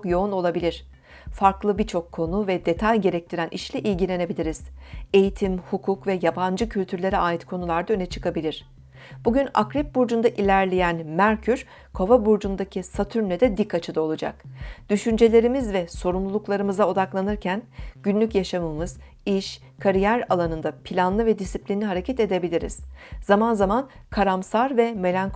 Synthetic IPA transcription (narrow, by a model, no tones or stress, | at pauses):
kjo̞uno̞lˠabilʲiɾ̝̥ | faɾklˠɯbiɾt͡ʃʰo̞kʰːo̞nuvɛd̪e̞t̪ʰajɟe̞ɾɛc̚t̪ʰiɾænʔiʃlʲɛʔilʲɟilʲe̞ne̞bilʲiɾiz̥e̞jit̪ʰimhukʰukvɛjaband͡ʒɯcʰylʲt̪ʰyɾlʲe̞ɾɛaːit̪kʰo̞nulˠaɾd̪aø̞nɛt͡ʃʰɯ̥kʰabilʲiɾ̥ | b̥uɟyna̰kɾɛp̚buɾd͡ʒund̪aʔilʲæɾlʲejænmæɾcʰyɾ | kʰo̞vabuɾd͡ʒund̪acʰisat̪ʰyɾnʲɛd̪ɛd̪ikʰːat͡ʃʰɯd̪ao̞lˠud͡ʒa̰kd̪̥yʃynd͡ʒe̞lʲe̞ɾimizvɛso̞ɾumlˠulˠuklˠaɾɯmɯzao̞d̪aklˠanɯɾcʰænɟ̥ynlʲycjaʃamɯmɯz̥ | iʃ | kʰaɾijæɾalˠanɯnd̪apʰilʲanlˠɯvɛd̪isiplʲinlʲiɦaɾe̞cʰɛt̪e̞d̪e̞bilʲiɾḭz̥z̥amanzamankʰaɾamsaɾvɛme̞lʲank